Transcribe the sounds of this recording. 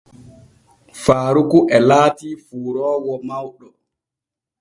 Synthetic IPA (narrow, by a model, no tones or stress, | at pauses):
faːɾukuʔɛlaːtiːfuːɾɔːwɔmawɗɔ